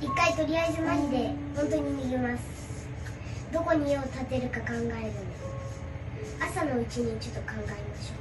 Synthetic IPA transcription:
ikːait̪o̞ɾʲiaizɨmaɲʲid̪e̞hõnt̪o̞ɲ̟iɲiɡʲimasɨ̥ | d̪o̞ko̞ɲ̟ijoːt̪at̪e̞ɾɯ̟kakãŋɡae̞ɾɯ̟nd̪esɨ̥ | asano̞ɯ̟t͡ɕiɲ̟ĩt͡ɕo̞t̪ːokãŋɡaemaɕo̞ː

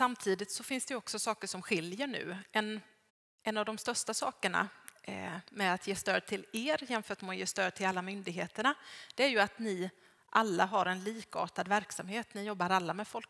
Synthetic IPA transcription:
samt̪ʰiːd̪ɪt̪sɔfɪnsd̪ɛjɔksɔsɑːkəʂɔmɧɪljəɳʉ̟̰ːɛn | ʔɛnːavd̪ɔmst̪œʂʈasɑ̰ːkəɳa̰ | mɛat̪jeːst̪øːd̪̚t̪ʰɪleːɾjɛnfœːʈmɛɔjeːst̪øːd̪̚t̪ʰɪlalːamʏnd̪ɪɡɦeːt̪əɳad̪̥ɛæɾjɵat̪nɪ | ʔalːaɦaɾɛnliːkɑ̰ːʈ̪ad̪væɾksamheːt̪nɪjɔbːaɾalːamɛd̪fɔlk

